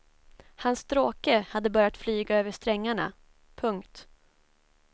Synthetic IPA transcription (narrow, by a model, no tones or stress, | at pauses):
hanst̪ɾoːkəhad̪ːəbœɾjat̪flyːɡaøːvəʂt̪ɾɛŋːaɳa̰ | pʰɵŋkt̪